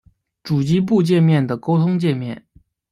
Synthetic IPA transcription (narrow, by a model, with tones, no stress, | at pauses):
ʈ͡ʂu˨˩t͡ɕi˥p̬u˥˧t͡ɕjɛ˥˧nmjɛ˥˩nd̪ə˩ko˥ʊt̪ʰʊ˥ŋt͡ɕjɛ˥˧nmjɛ˥˩n